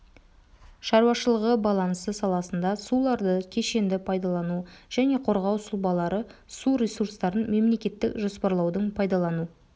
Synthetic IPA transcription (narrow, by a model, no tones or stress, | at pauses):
ʃɑɾuɑʃəlˠəʁəbɑlˠɑnsəsɑlˠɑsənd̪ɑsulˠɑɾd̪əkʲʰe̞ʃe̞nd̪ɪpʰɑjd̪ɑlˠɑnuʒ̥æne̞qʰo̞ɾʁɑwsʊlˠbɑlˠɑɾəsuɾʲesuɾst̪ɑɾənme̞mle̞kʲe̞t̪ːɪkʒo̞spɑɾlˠɑwd̪əɴpʰɑjd̪ɑlˠɑnu